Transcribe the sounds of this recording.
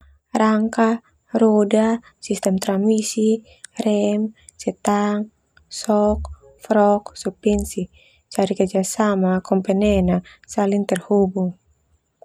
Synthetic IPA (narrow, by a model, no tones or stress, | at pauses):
raŋka | rɔda | sist̪ɛmt̪ɾamisi | rɛmsɛt̪aŋ | sɔk | fɾɔksupɛnsi | t͡ʃaɾikəd͡ʒasamakɔmpɛnɛnasaliŋt̪ɛrhubuŋ